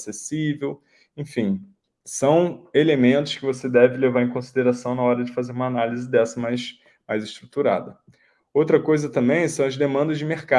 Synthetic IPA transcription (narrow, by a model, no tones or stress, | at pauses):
sesivew | ẽj̃fĩj̃ | sɐ̃w̃elemẽnt̪ʊ̥ʃkɪvosed̪ɛvɪlevaɾẽkõsid̪eɾasɐ̃w̃nɐɔɾɐd͡ʒɪfazeɾũmɐanalizɪd̪ɛsɐmajs | majzɪʃt̪ɾut̪uɾa̰d̪ɐ | owt̪ɾɐkojzɐt̪ɐ̃mbẽj̃sɐ̃w̃ɐzd̪emɐ̃nd̪ɐzd͡ʒɪmeχka